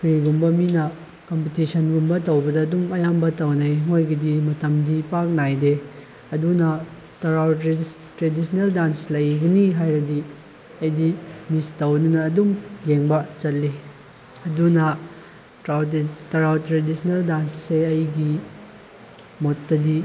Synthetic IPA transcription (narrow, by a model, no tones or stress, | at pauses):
pʰɾiɡumbɐminɐ | kompitisʰɐnɡumbɐtɐwbɐdɐːdumɐjambɐtɐwnɐjŋojɡidimɐtɐmdipak̚najde | ɐdunɐ | tɐɾaw | tɾedisʰneldanslɐjɡɐniɦajɾɐdi | ɐjdimistɐwninɐːdumjeŋbɐt͡ʃɐt̚lːi | ɐdunɐ | tɾawtɐɾawtɾedisʰneldansseɐjɡi | motːɐdi